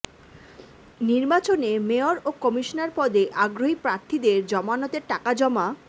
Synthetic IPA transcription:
niɾbat͡ɕonemeoɾokɔmiʃonaɾpɔd̪ʱeʔaɡɾoɦipɾaɾt̪ʰid̪eɾd͡ʑɔmanɔt̪eɾʈakad͡ʑɔma

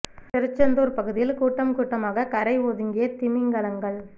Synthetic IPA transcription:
tɪɾɯt͡ʃːɐnd̪uːɾpɐɣɯðɪjɪlkuːʈːɐmkuːʈːɐmaːɣɐkɐɾɐɪoːðɯŋɡɪjɐt̪ɪmɪŋɡɐlɐŋɡɐɭ

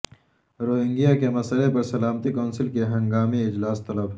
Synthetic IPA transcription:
ɾoːɦɪ̃ŋɡijakemɐsəlepɐɾsɐlaːmət̪ikɔːnsɪlkeɦɐ̃ŋɡaːmiɪd͡ʒlaːst̪ɐləbɦ

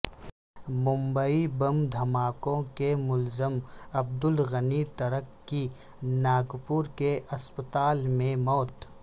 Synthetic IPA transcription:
mʊ̃mbəibɐmd̪ʱɐmaːkõkemʊlzəmɐb̚d̪ʊlɣənit̪ɐɾəkːi | naːɡpʊɾkeʔɐspət̪aːlmẽmɔːt̪

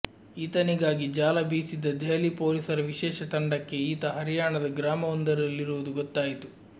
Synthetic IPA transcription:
iːt̪ɐniɡaːɡid͡ʒaːlɐbiːsid̪ːɐd̪ɛjɐlipoːliːsɐɾɐʋiʃɛːʃɐt̪ɐɳɖɐkːe̞iːt̪ɐɦɐɾijaːɳɐd̪ɐɡɾaːmɐɔnd̪ɐɾɐlːiɾuʋud̪uɡɔt̪ːaːjit̪u

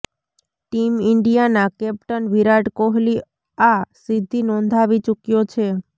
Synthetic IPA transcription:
ʈimiɳɖijanakɛpʈənʋiɾaɖkoɦli | asid̪ʱːinɔnd̪ʱaʋit͡ʃukjot͡ʃʰe

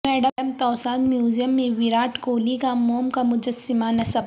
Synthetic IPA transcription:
mɛːɖəmt̪ɔːsaːnmjuːzijəmːẽʋiɾaːʈkoːlikamoːmkamʊd͡ʒɐsːɪmanɐsɐb

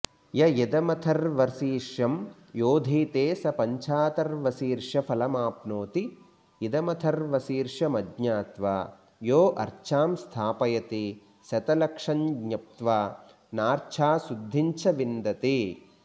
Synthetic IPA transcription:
jɐjɐd̪ɐmɐt̪ʰɐɾʋɐɾsiːɾʂjɐm | joːd̪ʱiːt̪eːsɐpɐɲt͡ʃʰaːt̪ɐɾʋɐsiːɾʂɐpʰɐlɐmaːpnoːt̪i | id̪ɐmɐt̪ʰɐɾʋɐsiːɾʂɐmɐdɲaːt̪ʋa̰ː | joːʔɐɾt͡ʃʰaːmst̪ʰaːpɐjɐt̪i | sɐt̪ɐlɐkʂɐnɡɲɐp̚t̪ʋaː | naːɾt͡ʃʰaːsud̪ʱːiɲt͡ʃʰɐʋind̪ɐt̪i

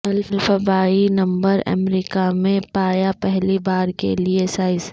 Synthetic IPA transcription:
ɐlflfɐbaːinɐ̃mbəɾɐ̰mɾiːkamẽpaːjapɛɦlibaːɾkḛliesaːɪz

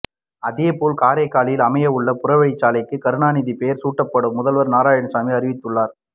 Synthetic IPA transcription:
ɐðɪjɐpoːlkaːɾɐɪkːaːlɪjɪlɐmɐjɐʋʊɭːɐpʊrɐʋɐɭɪt͡ʃːaːlɐɪkːɯkɐɾɯɳaːniːðipejɐɾsuːʈːɐpːɐɽɯmːʊðɐlʋɐɾnaːɾaːjɐɳsaːmiɐɾɪʋɪt̪ːɯɭːaːɾ

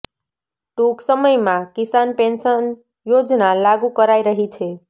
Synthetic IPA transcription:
ʈuksəməjmãkisanpensən | jod͡ʒnalaɡukəɾajɾəɦit͡ʃʰe

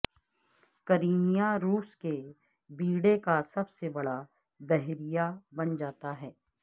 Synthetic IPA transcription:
kɐɾiːnijaɾuːske | biːɽekasɐbsebɐɽa | b̪ɛɦɾijabɐnd͡ʒaːt̪aɦɛː

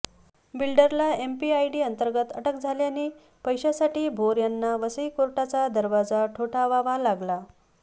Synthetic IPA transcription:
bilɖəɾlaempiajɖiːənt̪əɾɡət̪əʈəkd͡zʱaljaniː | pəjɕasaʈiːbʱoɾjanːaʋəsəjkoɾʈat͡sad̪əɾʋad͡zaʈʰoʈʰaʋaʋalaɡla

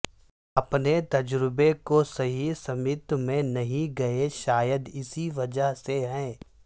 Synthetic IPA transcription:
ɐpnet̪ɐd͡ʒɾɪbekosɐɦisɐmɪt̪mẽnɐɦĩɡɐeʃaːjəd̪ɪsiʋɐd͡ʒəɦseɦɛ̃ː

